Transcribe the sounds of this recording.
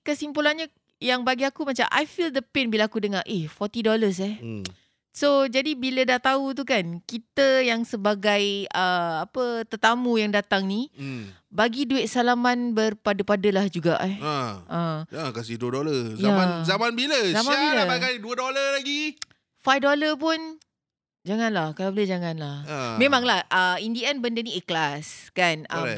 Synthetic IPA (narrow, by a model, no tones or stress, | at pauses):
kəsimpulanɲa | jaŋbaɡiakumat͡ʃa̰mʔa̰jfildəpɛnbilakudəŋarʔehfɔt̪idoləs̬ɛh | sod͡ʒadibilədaht̪aut̪̬ukankit̪əjaŋsəbaɡajəapət̪ət̪amũjaŋdat̪aŋni | baɡiduɪʔ̚salamãnbərpadəpadəlahd͡ʒuɡa̰ʔaʔəakasiduədoləjaamanzamanbiləzamanbiləaɡajduədoləlaɡi | fajfdoləpʊn | d͡ʒaŋãnlahkalabəlɛd͡ʒaŋãnlahmẽmãŋlahʔəindiɛnbəndənieklaskanʔə